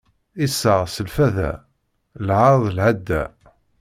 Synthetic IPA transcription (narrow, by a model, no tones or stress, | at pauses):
isːəʁsəlfæðæ̰ | lʕaɾˤðˤlʕad̪ːæ̰